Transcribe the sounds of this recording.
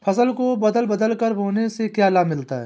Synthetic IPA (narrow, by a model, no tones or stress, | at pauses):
pʰɐsəlkobɐd̪əlbɐd̪əlkəɾɦoːnesekjaːlamɪlt̪aɦɛː